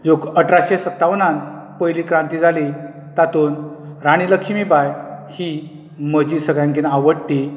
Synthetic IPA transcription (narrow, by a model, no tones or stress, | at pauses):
d͡zokəʈʰɾaɕesət̪ːaʋnãnpəjliːkɾãnt̪iːd͡zʱali | t̪at̪uːnɾaɽ̃iləkʰimibajhi | məd͡ʑiːsəɡɭjãŋk̬inaʋəɽʈi